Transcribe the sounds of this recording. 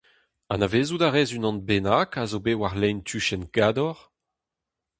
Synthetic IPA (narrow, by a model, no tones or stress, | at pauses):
a̰naveːzud̪aʁɛːzynɑ̃nbenakazobewaʁlɛjnt̪ʰyʃɛnkaːdɔʁ